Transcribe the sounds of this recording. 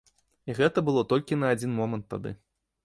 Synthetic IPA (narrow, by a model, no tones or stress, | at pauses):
iɣɛt̪ɐbɨlˠɔt̪ɔlʲkʲinɐad͡zʲinmɔmɐnt̪ːad̪ɨ̰